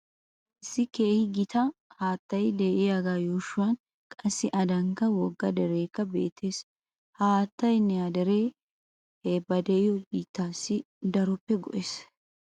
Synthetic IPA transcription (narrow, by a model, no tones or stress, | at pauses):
ʔɪsːɪke̞ːhɪɡɪt̪ɐhaːt̪ːɐjd̪ɛʔɪjaɡaːjoːʃʊwɐn | kʼɐsːɪʔɐd̪ɐŋkɐwɔɡːɐd̪ɛɾe̞ːkːɐbe̞̰ːt̪ʰːe̞ːs | haːt̪ːɐjnɛad̪ɛɾe̞ː | ebɐd̪ɛʔɪjɔbiːt̪ːaːsːɪ | d̪ɐɾɔpːɛɡɔʔeːs